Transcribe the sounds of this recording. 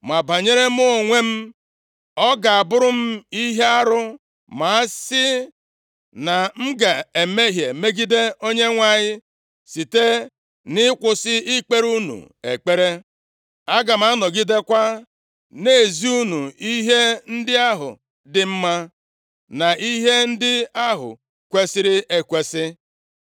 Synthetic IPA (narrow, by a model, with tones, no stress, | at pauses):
ma˨ba˨ɲe˦ɾe˦m˦ʊ˦o˨ŋʷe˦m̩˦ | ɔ˦ɡa˨a˨bʊ˦ɾʊ˦m̩˦i˦ɦe˦a˦ɾʊ˦ | ma˨a˦sɪ˦ | na˨m̩˦ɡa˨e˨me˦ɦje˨me˦ɡi˦de˦o˦ɲe˦ŋʷa˨ɲɪ˦ | si˨te˦ | nɪ˦kʷʊ˨sɪ˦i˦k͡pe˦ɾu˦nṵ˨ | ḛ˨k͡pe˦ɾe˦ | a˦ɡa˨ma˨˦nɔ˨ɡi˦de˦kʷa˦ | ne˨zi˦u˦nu˨i˦ɦe˦n̩˦dɪ˦a˦ɦʊ̰˨ | dɪ˨m̩˦ma˦ | na˨i˦ɦe˦n̩˦dɪ˦a˦ɦʊ̰˨ | kʷe˦sɪ˦ɾɪ˦e˨kʷe˨sɪ˦